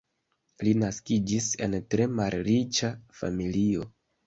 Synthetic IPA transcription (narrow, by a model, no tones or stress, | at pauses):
linaskid͡ʒise̞̰ntɾe̞malɾit͡ʃafa̰milio̞